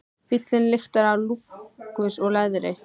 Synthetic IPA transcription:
pit̪lɪnlɪxt̪aɾawlukʏsɔɣlaðɾɪ

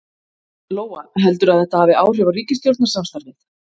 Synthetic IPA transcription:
loːwa̰ɦɛlt̪ʏɾaðθɛht̪ahavɪaːwr̥ɛvariːcɪst̪jowɾt̪nasamst̪aɾt̪ɪt

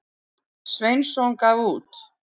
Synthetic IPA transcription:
svejnsɔŋkavuːt̪

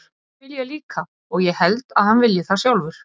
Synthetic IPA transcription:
vɪljɛliːka | ɔɣjɛhɛlt̪aðhanvɪljɪθasjawlvʏɾ̥

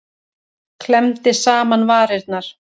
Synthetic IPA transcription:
kʰlɛmt̪ɪsaːmanvaːɾɪɾt̪̚naɾ̥

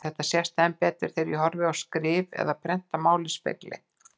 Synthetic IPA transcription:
θɛht̪ːasjɛst̪ɛmpɛːt̪ɾɪɾ̥θejɾiɦɔɾvɪawskɾɪːvɛ̰ðapʰɾɛn̥t̪amaːwlɪspɪ̰t̪lɪ̰

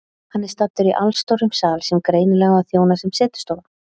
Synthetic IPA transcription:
hanːɛɾ̥st̪at̪ːʏɾiʔalst̪ɔɾʏmsaːlsɛmkɾeːjnɪlɛɣaaðθjoːwnasɛmsɛːt̪ʏ̥st̪oːwn

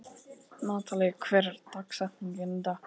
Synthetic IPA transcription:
naːt̪ʰalɛɣkʰvɛɾt̪aksaht̪niŋkɛnt̪a

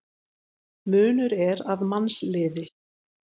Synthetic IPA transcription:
mʏːnʏɾɛɾaðmanslɪːðɪ

